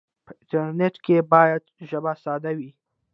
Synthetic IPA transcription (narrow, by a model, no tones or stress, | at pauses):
pəɪ̃nʈəɾneʈkʰebɑjad̪ʒəbasɑd̪awi